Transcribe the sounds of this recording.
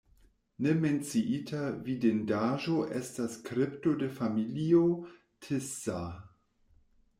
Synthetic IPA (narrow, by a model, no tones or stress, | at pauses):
neme̞nt͡siʔitʰavidendaʒo̞ʔestaskɾepto̞defamilio | tʰesa